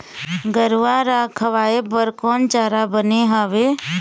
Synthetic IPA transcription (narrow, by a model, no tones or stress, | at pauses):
ɡəɾʋaɾakʰəʋaːebəɾkɔːnt͡ʃaːɾabəneɦaːʋe